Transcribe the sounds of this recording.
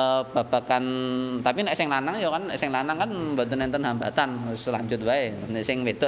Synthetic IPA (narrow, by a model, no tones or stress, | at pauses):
b̥ab̥akant̪apinɛʔsɪŋlanaŋjɔkanːɛʔsɪŋlanaŋkanbant̪ənɛnt̪ənɦambat̪ansla̰ɲd͡ʒʊt̪̚baenɛʔsɪŋwed̪ɔ